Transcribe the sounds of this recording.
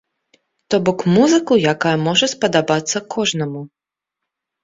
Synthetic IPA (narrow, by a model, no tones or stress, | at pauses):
t̪ɔbɔkmuzɨkujakajɐmɔʐɐspɐd̪abat̪sːɐkʰɔʐnɐmu